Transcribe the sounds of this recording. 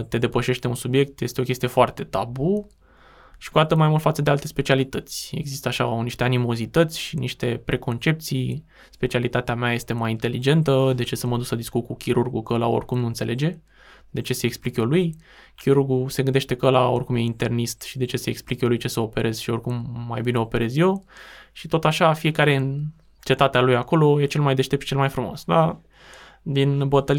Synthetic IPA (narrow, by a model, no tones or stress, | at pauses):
t̪e̞d̪e̞pəʃe̞ʃt̪e̞unsubje̞k̚t̪je̞st̪eo̞kʲe̞st̪ije̞foart̪e̞t̪abu | ʃi̥kuat̪əmajmult̪fat̪səd̪ealt̪e̞spe̞t͡ʃialit̪ət̪sʲe̞̰ɡzist̪əaʃaniʃt̪eanimo̞zit̪ət̪sʲʃiniʃt̪e̞pɾʔe̞ko̞nt͡ʃe̞p̚t̪sij | spe̞t͡ʃialit̪at̪eameaje̞st̪e̞majint̪e̞lid͡ʒe̞nt̪əd̪e̞t͡ʃe̞səməd̪uksləd̪iskut̪̚kukʲiɾurɡukəəlao̞̰rʲkumnuɨnt̪se̞lʔe̞d͡ʒe̞ | d̪et͡ʃe̞se̞ːksplikjo̞luj | kʲiɾurɡuse̞ɡɨnd̪eʃt̪e̞kəəlao̞rʲkumjeint̪e̞rnist̪ʃid̪e̞t͡ʃe̞se̞ːksplikjo̞lujt͡ʃe̞səo̞pe̞ɾʔe̞z̥ʃio̞rʲkumːa̰jbine̞o̞pe̞ɾe̞zjo̞ʃit̪o̞t̪aʃafije̞kaɾe̞ɨ | t͡ʃe̞t̪at̪ealujako̞lo̞je̞t͡ʃe̞lmajd̪e̞ʃt̪ep̪ʃit͡ʃelmajfɾumo̞̰sd̪a | d̪inbət̪əl